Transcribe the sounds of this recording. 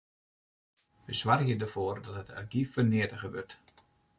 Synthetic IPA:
ʋəsʋarjədərfoːrdɔtɦətʰɛ̰rɡifərnɪətəɣəʋørt

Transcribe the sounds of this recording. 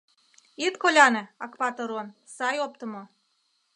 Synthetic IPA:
it̪kolʲɑnĕɑkpɑt̪ɤɾon | sɑjop̚t̪ə̆mo

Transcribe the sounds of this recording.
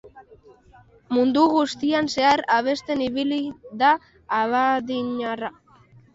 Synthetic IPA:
mund̪uɣust̪ianse̞aɾaβ̞e̞st̪e̞niβiliðaː | βaðiɲara

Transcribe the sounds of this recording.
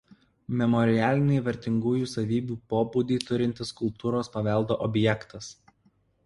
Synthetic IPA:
mʲɛmɔɾʲɪæːlʲɪnʲɛɪʋʲɛɾʲt̪ʲɪŋɡuːjuːsɐʋʲiːbʲuːpoːbuːd̪ʲiːt̪ʊɾʲɪnʲt̪ʲɪskʊlˠpt̪uːɾoːspɐʋʲɛˑlˠd̪oːʔɔbʲjɛkt̪ɐs

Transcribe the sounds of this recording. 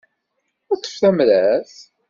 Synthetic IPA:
ʊɾt͡s̪ːə̥fθæmɾæθ

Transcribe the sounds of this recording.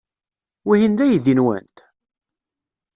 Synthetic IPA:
wihind̪æjiðinwæ̰nt̪

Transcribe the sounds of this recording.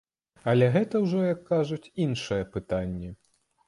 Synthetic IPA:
ɐlʲɛɣɛt̪ɐwʐɔjɐkːaʐut͡sʲinʂɨjɐpɨt̪anʲːɛ

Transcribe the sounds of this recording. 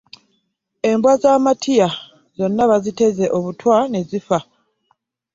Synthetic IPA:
e̞mbwazaːmatʰija | z̥o̞nːaβazite̞ze̞ʔo̞βutwane̞zifa

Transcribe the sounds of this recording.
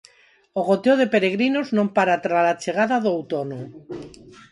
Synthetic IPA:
oɣ̞ot̪eoðe̞peɾeɣ̞ɾinoznompaɾat̪ɾalat͡ʃeɣ̞aðaðoawt̪ono

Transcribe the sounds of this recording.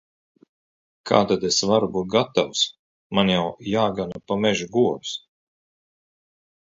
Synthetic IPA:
kʰa̰ːt̪ad̪esvaɾubuːt̪̚ɡat̪aws | manjawjaːɡanapamɛʒuɡuɔbs

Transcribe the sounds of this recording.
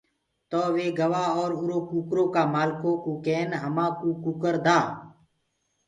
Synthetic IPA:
t̪oːʋeːɡəʋaːɔːɾʊɾoːkuːkɾõːkaːmaːlkõːkoːkeːnɦəmãːkuːkuːkəɾd̪aː

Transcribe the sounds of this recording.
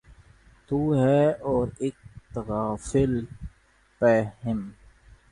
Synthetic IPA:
t̪uːɦɛːɔːɾɪk̚t̪əɣaːfɪl | pɛhɪm

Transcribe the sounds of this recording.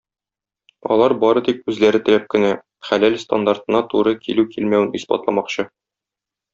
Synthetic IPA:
ɒ̰lˠɑɾbɒɾɤd̪ikʉzlæɾɘt̪ɘ̆læp̚kɘ̆næ | χælælst̪a̰nd̪art̪ɤ̆nɑt̪uɾɤkʰilʉkilmæwɘnispɑ̰t̪lˠɑmɑqɕɤ

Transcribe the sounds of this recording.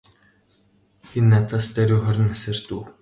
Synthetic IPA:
xenːat̪ʰaːst̪æɾʲuːχɔɾʲɪ̆næsɘ̆rt̪uː

